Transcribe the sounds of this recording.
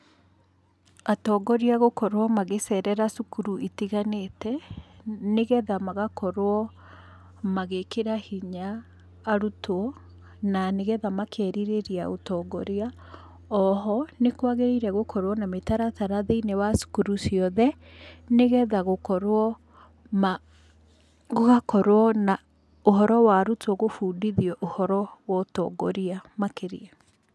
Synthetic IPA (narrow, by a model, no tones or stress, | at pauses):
atɔːɡɔɾiaɣokɔɾwɔmaɣesɛɾɛɾasukuɾuʔitiɣanetɛ | neɣɛðamaɣakɔɾwɔ | maɣekeɾahiɲaː | ɾutoɔ | naneɣɛðamakʰɛɾiɾeɾiaotɔːɡɔɾea | ɔɦɔnekwaɣeɾeɾɛɣokʰɔɾwɔnametaɾataɾaðeinewasu̥kuɾusiɔðɛ | neɣɛðaɣokɔɾwɔ | m | ɣoɣakɔɾwɔna | oɦɔɾɔwaɾutʰɔɣofuːdiðiɔʔohɔɾɔwɔtɔ̰ːɡɔɾiamakeɾḭɛ